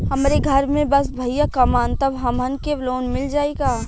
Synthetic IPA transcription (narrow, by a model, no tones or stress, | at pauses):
hɐmɾeɡʱɐɾmẽbɐsbʱɐijakɐmaːnt̪ɐbɦɐmənkebloːnmɪld͡ʒaːeːɡaː